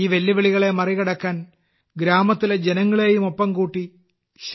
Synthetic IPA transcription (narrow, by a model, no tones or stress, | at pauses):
iːʋelːiʋeɭiɣɐɭe̞mɐriɣɐɽɐkːaːn | ɡɾaːmɐt̪ːiled͡ʑenɐŋːɐɭe̞ːjumo̞pːɐmkuːʈːi | ɕ